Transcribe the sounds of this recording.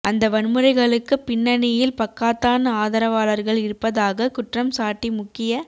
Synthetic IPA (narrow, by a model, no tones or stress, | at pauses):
ʔɐnd̪ɐʋɐnmɯɾɐɪɣɐɭɯkːɯpːɪnːɐnɪjɪlpɐkːaːt̪ːaːnɐaːðɐɾɐʋaːɭɐɾɣɐɭɪɾɯpːɐðaːɣɐkʊʈrɐmsaːʈːimʊkːɪjɐ